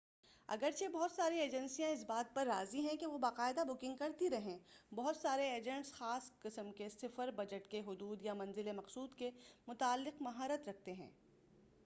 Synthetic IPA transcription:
ɐ̰ɡəɾt͡ʃʰebɔɦʊt̪saːɾieːd͡ʒɛ̃nsijãɪs̬baːt̪̚pɐɾːa̰ːziɦɛ̃keʋobaːqaːɪd̪abʊkɪ̃ŋɡ̚kɐɾt̪iɾɐɦẽːbɔɦʊt̪saːɾeeːd͡ʒɛ̃ɳʈsxaːsqɪsəmkesɪfəɾbɐd͡ʒəʈkeɦʊd̪uːd̪jamɐ̃nzɪlemɐqsuːd̪kemʊt̪aːlːɪqmɐɦaːɾət̪ɾɐk̚ʰt̪eɦɛ̰̃ː

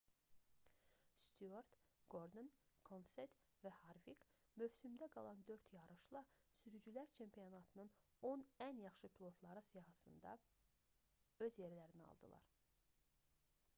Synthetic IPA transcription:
st̪ʰyoɾd̪ɡ̥o̞ɾd̪onkʰonset̪ | væhɑɾvikmyvsymd̪æɡɑlˠɑnd̪ø̞ɾt̪ʰjɑɾɯʃlˠɑsyɾyd͡ʒylæɾt͡ʃʰe̞mpʰijonɑt̪ʰɯnɯn | o̞nænjɑχʃɯpʰilˠo̞t̪ʰlˠɑɾɯsijɑɦɑsɯnd̪ɑ̰ | ø̞zje̞ɾlæɾiniɑ̰lˠd̪ɯ̰lˠɑ̰ɾ

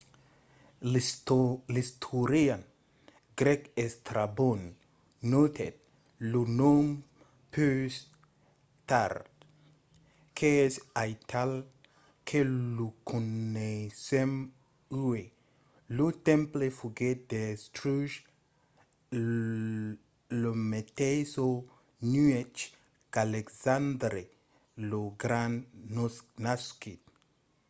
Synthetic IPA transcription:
list̪ʰuɾian | ɡɾɛkest̪ɾabonː | ot̪ʰed̪̚ | lunom | pʰys | t̪aɾt̪ | kʰeesajt̪ʰal | kʰelukʰunesem | uwe | lut̪ẽmplefuɡed̪est̪ɾuʒ | lomet̪eso | nuet͡ʃ | kaleksand̪ɾe | loɡɾãnnsnaskit̪

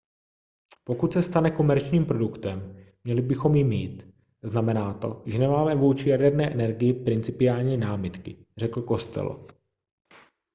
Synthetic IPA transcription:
po̞kut̪sɛst̪anɛko̞mɛɾt͡ʃɲiːmpɾo̞dukt̪ɛmː | ɲɛlɪbɪxo̞mjɪmiːt̪ | znamɛnaːt̪o̞̰ʒɛnɛmaːmɛvuːt͡ʃɪjadɛɾnɛːʔɛnɛɾɡɪjɪpɾɪnt͡sɪpɪaːlɲiːnaːmɪt̪kɪr̝ɛkl̩ko̞st̪ɛ̰lo̰

